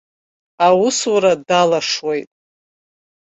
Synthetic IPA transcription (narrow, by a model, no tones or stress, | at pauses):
awuswaɾadalaʂwejtʼ